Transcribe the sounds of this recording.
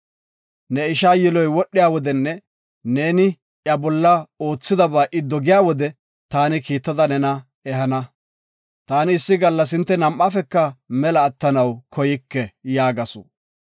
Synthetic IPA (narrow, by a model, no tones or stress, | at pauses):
nɛɪʃaːjɪlɔjwɔɗːɪjaːwɔd̪ɛnːɛ | ne̞ːnɪ | ʔjɐbɔlːɐo̞ːt͡sːɪd̪ɐbaːʔɪd̪ɔɡɪjaːwɔd̪ɛ | t̪aːnɪkiːt̪ːɐd̪ɐnɛnɐ | ɛɦɐnɐ | t̪aːnɪːsːɪɡɐlːɐs̬ɪnt̪ːɛnɐmʔːafɛkːɐmɛlɐːt̪ːɐnɐwkʰɔjɪkːɛjaːɡɐso̰